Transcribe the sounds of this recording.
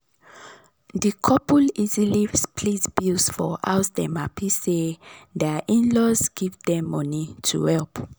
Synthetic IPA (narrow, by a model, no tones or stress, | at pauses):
dikʰɔpulizilivspʰlisbusfɔ̰ʔaʊsdɛ̃mapʰisedɛaʔĩnlɔzɡ̥ivdɛ̃mːɔ̃nitʰṵhɛlp